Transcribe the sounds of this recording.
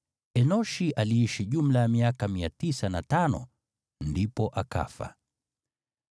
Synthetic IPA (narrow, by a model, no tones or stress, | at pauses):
ɛnɔʃiʔaliiʃiʄum̩lajamiakamiatisanatanɔ̰ | ndipɔʔaka̰fa̰